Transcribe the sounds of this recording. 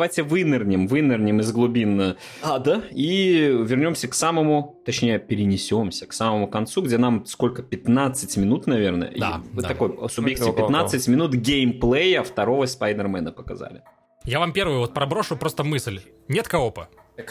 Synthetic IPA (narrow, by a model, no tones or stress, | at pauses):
vajtʲɪvɨnɪrnʲɪmvɨnʲɪrnʲɪmɨzɡlˠʊbʲinə | ad̪aivʲɪrnʲo̞msʲəksaməmʊt̪ɐt͡ɕnʲejəpʲɪɾʲɪnʲɪsʲo̞msʲə̥ksaməmʊkɐnt̪suɡdʲenamsko̞lʲkəpʲɪt̪nat̪sɨtʲmʲɪnut̪nɐvʲe̞rnə̰jə̰ḭa̰t̪ɐko̞jsʊbʲjeksʲɪpɪt̪natsɨtʲmʲɪnut̪ɡʲejmplˠejɐft̪ɐɾo̞vəspɐjd̪ərmɛnəpəkɐ̰za̰lʲɪ̰ | javampʲe̞ɾvɨjʊvot̪̚pɾɐbɾoʂʊpɾost̪əmɨsʲlʲ | nʲet̪kɐopə | k